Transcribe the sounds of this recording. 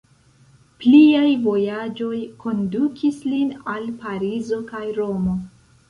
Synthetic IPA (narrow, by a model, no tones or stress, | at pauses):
pliajvo̞jad͡ʒo̞jko̞ndukʰislinalpaɾizo̞kajɾo̞mo̞